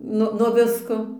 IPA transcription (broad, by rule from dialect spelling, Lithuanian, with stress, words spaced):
ˈnʊ nuɔ ˈʋʲɪskoː